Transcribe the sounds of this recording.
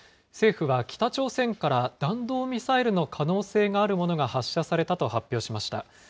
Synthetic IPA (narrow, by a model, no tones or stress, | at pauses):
se̞ːɸɯ̟βakʲi̥t̪at͡ɕo̞ːsẽ̞ŋkaɾad̪̥ãnd̪o̞ːmʲisaiɾɯ̟no̞kʰano̞ːse̞ːɡaːɾɯ̟mo̞no̞ɡahaɕːasaɾe̞t̪at̪o̞hapʲjo̞ːɕimaɕi̥t̪a̰